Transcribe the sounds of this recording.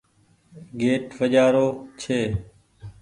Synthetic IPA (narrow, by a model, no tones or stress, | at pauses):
ɡeːʈʋəʄaːɾoːt͡ʃʰeː